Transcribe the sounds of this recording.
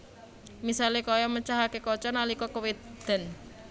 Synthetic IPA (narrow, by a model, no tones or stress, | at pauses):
misalekɔjɔmət͡ʃaɦakekɔt͡ʃɔnalikɔkəwed̪d̪̥ə̤n